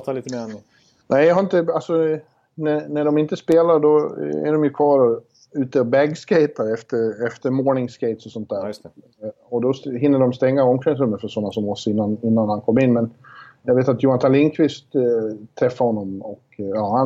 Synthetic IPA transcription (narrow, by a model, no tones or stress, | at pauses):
t̪ːlit̪ː | nʔɛjɦaɾɪnt̪əalsɔ | nænæɖɔmɪnt̪əspeːlaɾɖɔæ̰ɖɔmjɵkʰvɑːɾɔ | ʉ̟ːt̪əɔbæɡskeɪt̪aɾɛft̪əɾɛft̪əɾmoːɳɪŋskeɪt̪sɔsɔnt̪̚d̪æːɾ | ɔd̪ɔɦɪnːəɖɔmst̪ɛŋːaɔmkɛns̬ɾɵmːəfœʂɔnːasɔmɔsɪnːanɪnːanhankʰɔmːɪnːmɛnjaveːt̪at̪juːant̪ʰalɪŋkʰvɪst̪t̪ʰːɾɛfːaɾhɔnːɔmɔkɑːha